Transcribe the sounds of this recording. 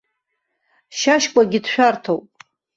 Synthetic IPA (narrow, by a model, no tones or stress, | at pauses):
ʃaʃkʷʼaɡʲɪdʃᶣartʰowpʼ